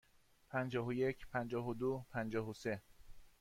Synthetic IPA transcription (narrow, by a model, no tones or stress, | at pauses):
pʰænd͡ʒɒːɦojecʰpʰænd͡ʒɒːɦod̪opʰænd͡ʒɒːɦose̞